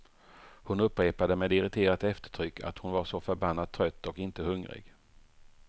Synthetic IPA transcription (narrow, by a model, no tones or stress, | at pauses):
hʊnɵpːɾeːpad̪əmeːd̪ɪɾɪt̪ʰeːɾat̪ɛft̪ə̥ʈʰɾʏkːʰa̰t̪hʊnvaɾʂɔfœɾbanːat̪t̪ʰːɾœt̪ːɔkɪnt̪əhɵŋɾɪ̰ɡ